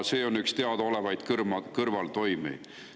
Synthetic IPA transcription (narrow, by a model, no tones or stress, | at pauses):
seːo̞nːykst̪e̞ɑd̪̥o̞le̞vɑjd̪̥krmɑkɤrvɑlt̪o̞jmḭ̥